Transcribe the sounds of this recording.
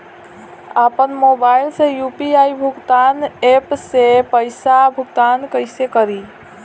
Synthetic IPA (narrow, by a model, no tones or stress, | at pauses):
apənmobajlsẽjupiaibʱuɡt̪anepsepəɪsabʱuɡt̪ankəɪsekəɾi